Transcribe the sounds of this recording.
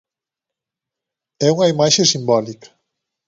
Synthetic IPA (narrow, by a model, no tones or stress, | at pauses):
ɛuŋɐimaʃesimbɔlikɐ̥